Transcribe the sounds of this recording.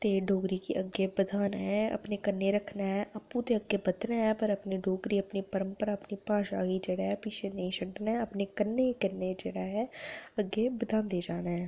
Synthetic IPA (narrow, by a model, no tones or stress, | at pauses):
t̪eːɖʱoːɡɾiːkiʔəɡːeːbəd̪ʱaːnɦɛʔə̰pnekənːeːɾəkʰnaːɦɛʔəpũt̪eːəɡːeːbəd̪naːɦɛːpəɾəpniːɖoːɡɾiːəpniːpəɾəmpəɾaːəpniːpaːʃaːɡiːd͡ʒeːɽaːɦɛːpit͡ʃʰeːnəĩsəɖnaɛːəpneːkənːekənːeːd͡ʒeːɽaːɦɛːəɡːeːbəd̪ʱaːnd̪eːd͡ʒaːnaːɛː